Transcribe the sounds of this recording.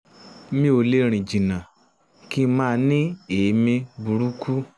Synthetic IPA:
mĩ˦o˧le˦ɾ̃ĩ˨d͡ʒĩ˨nã˨ | ki˦˧˦mãː˦˧nĩ˦eː˨˦mĩ˧bu˨ɾu˦kʰu˦

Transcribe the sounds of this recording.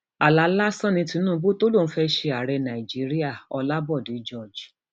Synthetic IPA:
a˨la˨˦la˦sɔ̃˦nĩ˧˦tĩ˧˦nũ˦bo˦to˦lõ˦˨˦fɛ˦ʃe˧a˨ɾɛ˧nã˨i˨d͡ʒi˨˦ɾi˦a˦˨ɔ˧la˦bɔ˦˨di˨˦d͡ʒɔ˦˨d͡ʒ

